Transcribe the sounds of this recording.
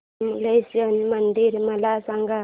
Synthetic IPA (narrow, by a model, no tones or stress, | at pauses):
mlesiənmɐnd̪iɾimɐlasaŋɡa